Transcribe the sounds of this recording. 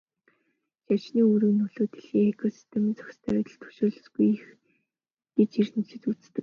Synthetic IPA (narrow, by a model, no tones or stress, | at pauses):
ɕat͡ɕniːuɾĭɣnːɵɮoːt̪ʰeɮiːŋekʰɔsi̥st̪ʰemə̆nt͡sœ̥xst̪ʰæːœt̪ə̆ɬt̪ʰɵ̥ʃoːɮə̆sɡujix | ɡ̥et͡ɕirt̪ɘ̆t͡ɕɘ̆t̪ut͡sst̪ɘ̆